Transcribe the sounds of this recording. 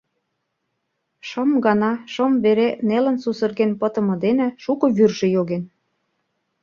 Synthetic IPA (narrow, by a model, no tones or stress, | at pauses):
ʃə̆mɡɑnɑʃə̆mβeɾenelə̆nsusə̆rɣenpɤ̆t̪ɤ̆mɤ̆d̪enĕʃukɤ̆βyrʒĕjoɣen